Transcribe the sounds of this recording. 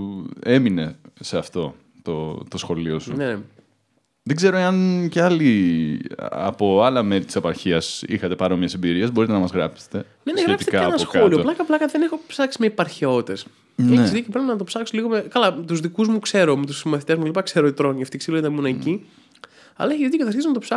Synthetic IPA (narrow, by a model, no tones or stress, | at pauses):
e̞mine̞seɐft̪o̞ | t̪ot̪o̞sxo̞lio̞sune | ðeɡze̞ɾo̞eɐnceɐli | ɐ̰po̞ɐlɐme̞ɾit̪i̥sepɐɾçiɐsixɐt̪e̞pɐɾomiɐsembiɾiɐzbo̞ɾit̪e̞nɐmɐzɣɾɐ̰pse̥t̪e̞ | neneɣɾeɐpt̪iekɐɐenɐsoxkɐolioolɐkɐplɐkɐðe̞nexo̞psɐksimeipɐɾçeo̞t̪e̞s | eçesðicopɾepnɐt̪opsɐksoliɣo̞mekɐlɐmt̪uzðikuzmukse̞ɾomet̪usmɐθit̪e̞zmuelipɐkse̞ɾoit̪ɾoniɐft̪iksiloit̪ɐmunɐci | ɐ̰lɐeçizðit̪ikɐt̪ɐɾçisnɐt̪opsɐ